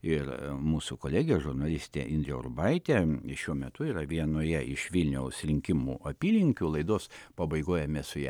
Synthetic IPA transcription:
ɪrmuːsʊkoːlʲæːɡʲɪjɛʒʊrnɐlʲɪsʲt̪ʲḛʔɪnd̪ʲɾʲɛʊ̰rbɐɪt̪ʲeʃʲuɔmʲɛt̪ʊiːrɐʋʲiɛnoːjɛɪʃʋʲɪlʲnʲɛʊsɾʲɪŋʲkʲɪmṵːɐpʲiːlʲɪŋʲkʲʊlˠɐɪd̪oːspɐbɐɪɡoːjɛmʲɛsʊjɛ̰

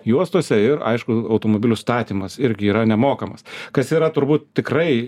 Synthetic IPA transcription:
juɔst̪uɔsʲɛɪɾɐ̰ɪʃkʊɐʊt̪oːmoːbʲɪlʲʊst̪ɑːt̪ʲiːmɐsɪɾʲɡʲɪiːɾɐnʲɛmoːkɐmɐskɐsiːɾɐt̪ʊɾbuːt̪t̪ʲɪkrɐɪ

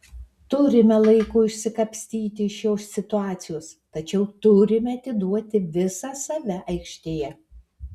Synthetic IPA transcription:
t̪ʊɾʲɪmʲɛlˠɐɪkuːɪʃʲsʲɪkɐpʲsʲt̪ʲiːt̪ʲɪɪʃjoːsʲsʲɪt̪ʊɑːt̪sʲɪjoːst̪ɐt͡ʃʲɛʊt̪ʊɾʲɪmʲɛɐt̪ʲɪd̪uɔt̪ʲɪʋʲɪsɑsɐʋʲɛʔɐɪkʃʲt̪ʲeːjɛ

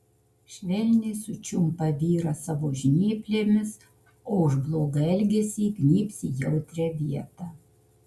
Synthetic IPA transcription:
ʃʲʋʲɛlʲnʲɪɪsʊt͡ʃʲʊmpɐʋʲiːɾɐsɑʋoːʒʲnʲiːpʲlʲeːmʲɪs | oːʊʒblˠoːɡɐɛlʲɡʲɛsʲiɡnʲiːpʲsʲiːjɛʊt̪ʲɾʲɛʋʲiɛt̪ɑː

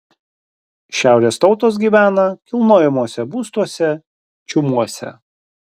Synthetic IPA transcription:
ʃʲæˑʊɾʲeːst̪ɒʊt̪oːs̬ɡʲiːʋʲæːnɐkʲɪlˠnoːjɛmuɔsʲɛbuːst̪uɔsʲɛ | t͡ʃʲʊmuɔsʲɛ̰

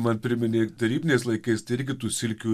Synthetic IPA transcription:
mɐnpʲɾʲɪmʲɪnʲeːt̪ɐɾʲiːbʲɪnʲeːslˠɐɪkɐɪst̪ɐɪɪɾʲɡʲɪt̪uːsʲɪlʲkʲuː

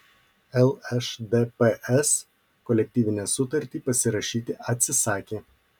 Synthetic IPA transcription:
ɛlˠɛʃd̪epeʔɛs | kɔlʲɛk̚ʲt̪ʲiːʋʲɪnʲæːsʊt̪ɐɾʲt̪ʲiːpɐsʲɪɾɐʃʲiːt̪ʲɪʔɐt̪ʲsʲɪsɑːkʲeː

